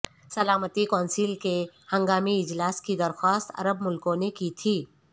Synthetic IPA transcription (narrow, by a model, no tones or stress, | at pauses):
sɐlaːmət̪ikɔːnsilkehɐ̃ŋɡaːmiɪd͡ʒlaːskid̪ɐɾxwaːst̪ɐ̰ɾəbmʊlkõnekit̪ʰiː